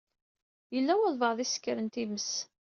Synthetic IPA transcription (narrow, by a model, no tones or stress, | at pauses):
jəlːæwəðˤvəʁðˤisə̥kːəɾənt̪iməs